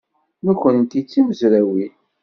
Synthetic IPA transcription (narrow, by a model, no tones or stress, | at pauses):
nukːənt̪it͡sːiməzɾæwi